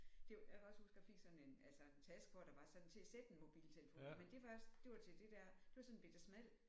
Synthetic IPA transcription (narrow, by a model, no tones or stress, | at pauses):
d̥e̝jäkʰæɒ̽shusɡ̥jɑ̈feɡ̥sɒ̽ne̝nælsəe̝nt͡sʰæsɡ̥ɒd̥ɑ̈ʋɑ̈sɒ̽d̥n̩t͡sʰe̝æsed̥enmo̝b̥ḭːlt͡sʰe̝ləfo̰nmend̥e̝ʋɑ̈sd̥e̝ʋɑ̈t͡sʰe̝d̥e̝d̥æɐ̰d̥e̝ʋɑ̈sɒ̽nnb̥e̝d̥ɐsmæl̰